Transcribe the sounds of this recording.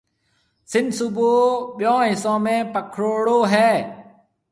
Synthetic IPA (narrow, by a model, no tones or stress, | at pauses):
sɪnsuboːɓɪjõːɦɪsõːmẽːpəkʰɾoːɽoːɦɛː